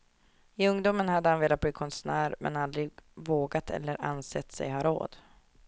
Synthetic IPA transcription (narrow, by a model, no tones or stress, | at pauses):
ɪɵŋd̪uːmənhad̪ːəhanveːlat̪̚b̪iːkʰɔnsnæːɾmʔɛ̰nald̪ɾɪɡvoːɡat̪ʰɛ̰lːəɾʔa̰nsɛt̪ːsɛ̰jhɑɾo̰ːd̪̥